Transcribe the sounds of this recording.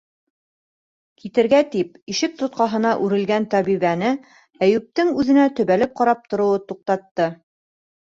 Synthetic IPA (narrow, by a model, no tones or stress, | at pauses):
kʰit̪ɘ̆ɾɡæt̪ip̚iʃɘk̚t̪ŏt̪̚qɑɦɤ̆nɑʔʉɾɘ̆lɡænt̪æβiβænɘ | æjʉp̚t̪ɘŋʉðɘ̆næt̪ɵ̆βælɘp̚qɑɾɑp̚t̪ŏɾŏwɤt̪uq̚t̪ɑt̪ːɤ